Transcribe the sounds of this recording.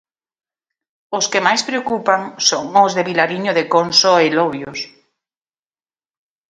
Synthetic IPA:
oskemajspɾeokupaŋsoŋozðeβilaɾiɲoðekonsoeloβjos

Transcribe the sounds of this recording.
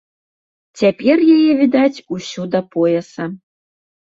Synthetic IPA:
t͡sʲæpʲerjɛjevʲid̪ɑt͡sʲusʲud̪ɐpoɛsɐ

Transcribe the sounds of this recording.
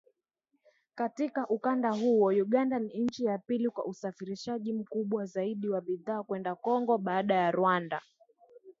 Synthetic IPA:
katikaʔukandaɦuɔjuɠandaniɲ̩t͡ʃijapilikwa̰ʔusafiɾiʃaʄim̩kuɓwazaiɗiwaɓiðaːkwɛndakɔŋɡɔɓaːɗajaɾwanda̰

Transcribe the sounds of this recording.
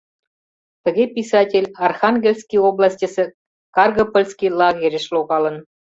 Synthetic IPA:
t̪ə̆ɣʲepʲisɑtʲelʲɑrxɑnɡʲelʲskʲijoblˠɑsʲtʲĭsʲĕ | kɑrɡopŏlʲskʲijlˠɑɣʲeɾʲɘ̆ʃluɣɑlɤ̆n

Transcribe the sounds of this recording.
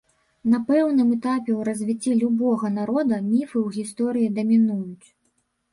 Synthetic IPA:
nɐpɛwnɨmɛt̪apʲɛwɾɐzʲvʲit͡sʲːilʲubɔɣɐn̪aɾɔd̪ɐmʲifɨwɣʲist̪ɔɾɨjid̪ɐmʲinujut͡sʲ

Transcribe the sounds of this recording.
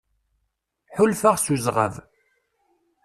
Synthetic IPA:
ħʊlfaʁsuzʁə̰v

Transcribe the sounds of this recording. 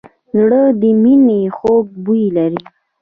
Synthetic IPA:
zɽəd̪əminexoɡ̚bujlaɾi

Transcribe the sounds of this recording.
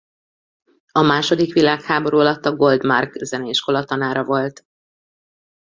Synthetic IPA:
ɒmaːʃo̞d̪ikʋilaːkhaːbo̞ɾuːɒlɒt̪ːɒɡo̞ld̪markzɛnɛiʃko̞lɒt̪ɒnaːɾɒvo̞lt̪

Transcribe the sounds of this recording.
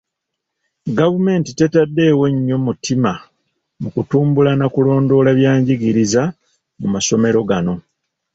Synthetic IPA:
ɡavume̞ːntite̞tadːe̞ːwe̞ɲːo̞mutʰima | mukutuːmbulanakulo̞ːndo̞laβjaːɲɟiɡiɾiza | mumaso̞me̞ɾo̞ɡano̞

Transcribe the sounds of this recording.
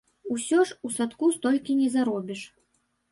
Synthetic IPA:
usʲɔʂusat̪kust̪ɔlʲkʲinʲɛzaɾɔbʲiʂ

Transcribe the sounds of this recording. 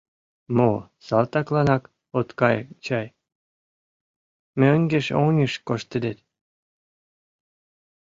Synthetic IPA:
mosɑlt̪ɑklɑnɑk | ot̪kɑjt͡ɕɑj | møŋɡeʃonʲiʃkoʃt̪ed̪et̪

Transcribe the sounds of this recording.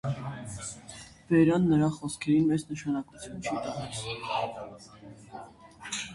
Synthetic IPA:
vɛɾɑnːəɾɑχɔskʰɛɾinmɛznəʃɑnɑkut͡sʰjunt͡ʃʰit̪ɑʁɛl

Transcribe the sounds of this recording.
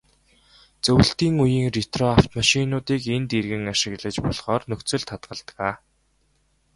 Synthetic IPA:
t͡sɵw̆ɬt̪iːŋujiːŋrit̪rɔawt̪maʃinʊːt̪iːkent̪erɣɘ̆ŋaʃɪ̆ɣɮə̆t͡ɕpɔɮχɔːrnɵkt͡sɵ̆ɮt̪ʰat̪ɢə̆ɮt̪əʁaː

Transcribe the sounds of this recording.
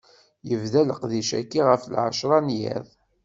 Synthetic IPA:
jəvðæləqðiʃæ̰kːiʁəflʕa̰ʃɾˤɑnjæ̰ðˤ

